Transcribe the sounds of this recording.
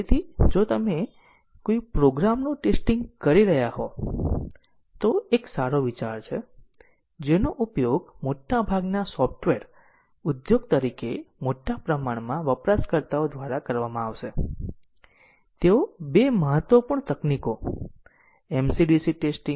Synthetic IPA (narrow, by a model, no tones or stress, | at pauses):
et̪ʰid͡ʒot̪əme | kojupɾoɡɾamnũʈesʈĩŋɡkəɾiɾəɦjaɦo | t̪oeksaɾoʋit͡ʃaɾt͡ʃʰe | d͡ʒenoʔupjoɡmoʈːabʱaɡnasɔfʈʋeɾ | ud̪joɡt̪əɾikemoʈːapɾəmaɳmãʋəpɾaskəɾt̪aod̪ʋaɾakəɾʋamãaʋʃe | t̪eobeməɦət̪ʋəpəɳt̪əkniko | ɛmsiɖisiʈesʈĩŋ